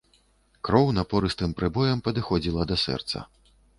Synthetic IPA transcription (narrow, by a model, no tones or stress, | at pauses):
kɾɔwnɐpɔɾɨst̪ɨmpɾɨbɔjɐmpɐd̪ɨxɔd͡zʲilˠɐd̪ɐsɛ̰rt̪sɐ̰